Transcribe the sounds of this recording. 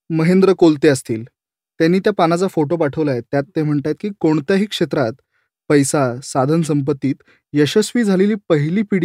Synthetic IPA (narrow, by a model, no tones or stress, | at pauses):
məɦend̪ɾəkolt̪eəst̪ḭːl | t̪janːiːt̪japanat͡safoʈopaʈʰəʋlajet̪jat̪ːem̤əɳʈat̪̚kiːkoɳt̪jaɦiːkʂet̪ɾat̪ | pəjsasad̪ʱənsəmp̬ət̪ːiːt̪ | jəɕəsʋiːd͡zʱaleliːpəɦiliːpiɽi